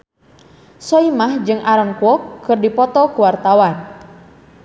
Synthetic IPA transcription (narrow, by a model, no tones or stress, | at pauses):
sɔimahd͡ʒɨŋʔaɾɔnkwɔkːɨrdipɔt̪ɔkuwart̪awan